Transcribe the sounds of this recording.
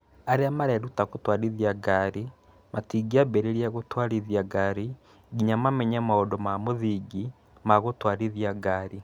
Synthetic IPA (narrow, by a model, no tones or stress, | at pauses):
aɾeamaɾɛɾutaɣotwaɾiðiaɡaɾi | matiːɡiabɛɾeɾiaɣotwaɾiðiaɡaɾi | ɡiɲamamɛɲamaodɔmamoðiɡi | maɣotwaɾiðiaɡaːɾi